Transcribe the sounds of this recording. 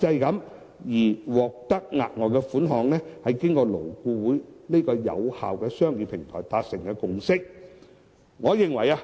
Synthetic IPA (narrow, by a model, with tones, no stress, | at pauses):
t͡sɐ˧jkɐ˨˧˥m | jiː˨˩wɔː˨k̚t̪ɐ˥k̚ŋa̰ː˨t̚ŋɔː˨˧kɛː˧fuː˨˥nɦɔː˨˧ŋnɛː˥hɐ˨jkɪ˥ŋkɔː˧lo˨˩wkuː˧wuː˨˥jneː˥kɔː˧jɐ̰˨˧wha̰ː˨wkɛː˧sœː˥ŋjiː˨˩pʰɪ˨˩ŋt̪ʰɔː˨˩jt̪aː˨˧t̚sɪ˨˩ŋkɛː˧kʊ˧ŋsɪ˥k̚ | ŋɔː˨˧jɪ˨ŋwɐ˨˩jaː˧